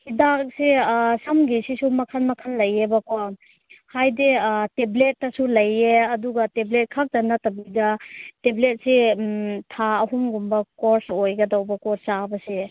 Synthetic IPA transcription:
hidak̚sesɐmɡisisumɐkʰanmɐkʰanlɐjebɐkɔ | hajdeteblet̚ːɐsulɐjeɐduɡɐteblet̚kʰak̚dɐnatɐbidɐteblet̚sitʰaɐɦumɡumbɐkɔɾsojɡɐdawbɐkɔt͡ʃabɐse

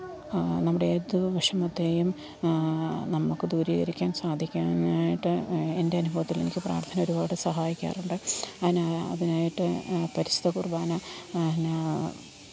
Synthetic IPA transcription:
nɐmːuɽeet̪ːuʋɐʂɐmɐd̪ːeːjum | nɐmːukːɨd̪uːɾiɣɐ̰ɾikʲːaːnsaːd̪ʱikʲːaːnaːjiʈːɨe̞ndeɐnubʱɐʋɐt̪ːile̞nikʲːɨpra̰ːrt̪ʰɐnɐo̞ɾubaːɽɨsɐɦaːjikʲːa̰ːruɳɖɨɐðinaɐ̰ðinaːjiʈːɨpɐɾisd̪ɐkurbaːnɐn

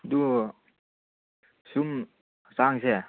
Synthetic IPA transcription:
d̪u | sum | saŋse

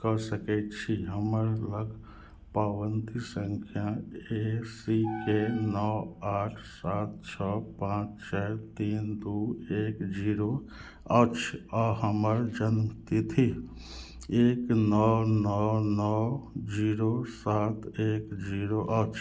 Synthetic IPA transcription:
kɔsəkɛt̪t͡ʃʰiɦəməɾləɡ | paːʋənt̪isə̃ŋkʰjaesikenɔaːʈʰsaːt̪̚t͡ʃʰɔpãːt͡ʃt͡ʃʰɛt̪iːnd̪ueːkd͡ʒiːɾo | ət͡ʃʰɔɦəməɾd͡ʒənmt̪it̪ʰi | eːknɔnɔnɔd͡ʒiːɾosaːt̪eːkd͡ʒiːɾoʔət͡ʃʰ

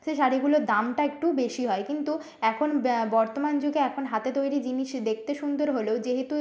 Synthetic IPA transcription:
ʃeʃaɾiɡulod̪amʈaek̚ʈubeʃiɦɔekint̪u | ɛkʰonbɔɾt̪omand͡ʑoɡeɛkʰonɦat̪et̪ojɾid͡ʑiniʃd̪ek̚ʰt̪eʃund̪oɾɦoleod͡ʑeɦet̪u

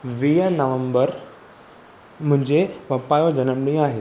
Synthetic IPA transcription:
ʋiːɦənəʋəmbəɾ | m̤ũɦɪ̃ɲd͡ʑeʋəpajod͡ʑənəmɽĩaɦe

